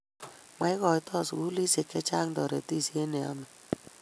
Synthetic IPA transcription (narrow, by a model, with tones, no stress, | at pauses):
ma˦ɪ˦kɔ˨jtɔ˦˨su˦li˦se˨kɛ˦t͡ʃa˦ŋdɔ˨ɾḛ˨ti˦˨si˦e˦nɛ˨a̰˦mɛ˨